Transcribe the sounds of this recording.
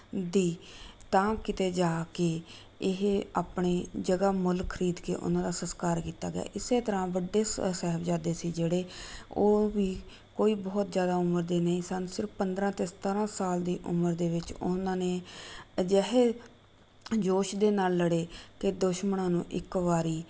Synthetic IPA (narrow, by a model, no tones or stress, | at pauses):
d̪iːt̪ãːkɪt̪eːd͡ʒaːkeː | ɪɦaːpɳeːd͡ʒəɡaːmʊlkʰəɾiːd̪kḛːʔʊ̰nãːd̪aːsəskaːɾkiːt̪a̰ːɡja̰ːʔɪseːt̪əɾãːʋəɖːeːsɛɦəbd͡ʒaːd̪eːsiːd͡ʒeːɽeːoːʋiː | koːiːbɔːt̪zjaːd̪aːʊməɾd̪eːnəĩːsənsɪɾfpənd̪ɾãːt̪eːsə̥t̪aːɾãːsaːld̪iːʔʊ̰məɾd̪eːʋɪt͡ʃʊnãːneːd͡ʒɛɦeː | d͡ʒoːʃd̪eːnaːlːəɽeːk̪eːd̪ʊʃməɳãːnũːʔɪkʋaːɾiː